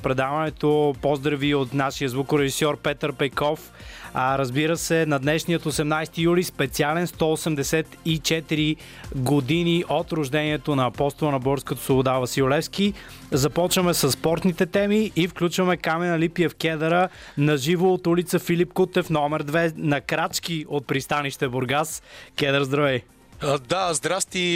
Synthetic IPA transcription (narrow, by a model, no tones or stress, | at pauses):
pɾɛd̪avɐnɛt̪opozd̪ɾɐviot̪naʃijəzvukʊɾɛʒisɔɾpɛt̪əɾpɛkɔf | ɾɐzbiɾəsɛnɐd̪nɛʃnijət̪osɛmnajst̪ijulispɛt̪sialɛnst̪ɔosɛmd̪ɛsɛt̪it͡ʃɛt̪iɾi | ɡod̪iniʔot̪ɾʊʒd̪ɛniɛt̪onɐːpɔst̪olˠənɐbɔɾskət̪o̥svobod̪avɐsiʊlɛfski | zɐpɔt͡ʃvəmɛsəsːpɔɾt̪nit̪ɛt̪ɛmiʔifklʲut͡ʃvɐmɛkamɛnɐlipiɛfkʲɛd̪əɾə | nɐʒivoːt̪ulit̪səfilipkut̪ɛfnɔmɛɾd̪vɛnɐkɾat͡ʃk̟iot̪̚pɾist̪aniʃt̪ɛboɾɡaskʲɛd̪əɾzd̪ɾɐvɛj | d̪azd̪ɾafst̪i